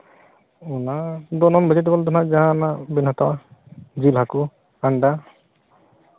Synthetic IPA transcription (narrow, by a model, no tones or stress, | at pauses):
unadɔnɔnbad͡ʒɛt̬ibɔld̪ɔnazaãnabinɦatawazilɦaku | anda